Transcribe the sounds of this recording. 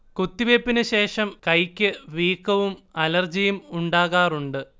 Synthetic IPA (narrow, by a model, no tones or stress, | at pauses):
kut̪ːiʋepːinɨɕe̞ːʂɐmkɐjkʲːɨʋiːkːɐʋumɐlɐrd͡ʑijumuɳɖaːɣaːruɳɖɨ